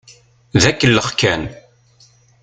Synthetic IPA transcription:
ðækːəlːəχkæn

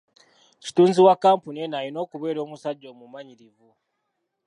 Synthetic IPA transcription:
ci̥tuːnziwakːaːmpunienajino̞ːkuβe̞ːɾo̞ːmusaɟːo̞ːmumaɲiɾivu

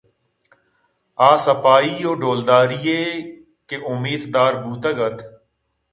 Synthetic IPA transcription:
aːsəpaːiːoːɖoːld̪aːɾijeː | keʔʊmːiːd̪d̪aːɾbuːt̪əɡət̪

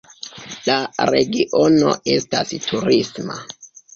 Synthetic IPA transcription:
laɾe̞ɡiʔono̞̰e̞stastʰuɾisma̰

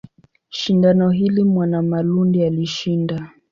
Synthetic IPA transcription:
ʃindanɔɦilimwanamalundialiʃinda

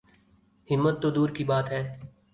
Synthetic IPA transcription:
hɪmːət̪ːod̪uːɾkibaːt̪ɦɛː

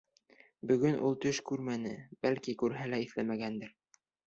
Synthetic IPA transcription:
bɵ̆ɡɵnʔulˠt̪ɵʃkʉɾmænɘb̥ælkikʉɾɦælæiθlæmæɡænd̪ɘɾ

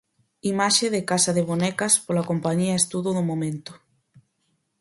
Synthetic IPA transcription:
imaʃeðɪkasɐðɪβonɛkɐspolakompaɲiaest̪uðʊðʊmomẽnt̪ʊ̥

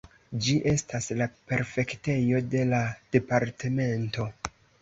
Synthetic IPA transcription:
d͡ʒiʔe̞stʰaslape̞ɾfe̞kte̞jo̞de̞lad̥e̞paɾtʰe̞me̞nto̞

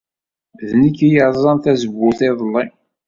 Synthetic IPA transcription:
ðnikːijəʕðˤzˤɑnt̪æzəbːʊθɪðˤəlːi

